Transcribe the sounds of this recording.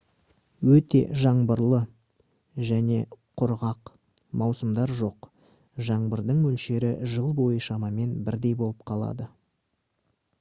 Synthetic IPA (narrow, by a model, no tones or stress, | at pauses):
wɵt̪e̞̰ʒɑɴbəɾlˠə | ʒæne̞qʰʊɾʁɑq | mɑwsəmd̪ɑɾʒo̞q | ʒɑɴbəɾd̪əɴmɵlʃe̞ɾɪʒəlˠbo̞jəʃɑmɑme̞nbɪɾd̪e̞jbo̞lˠəp̚qʰɑlˠɑ̰d̪ə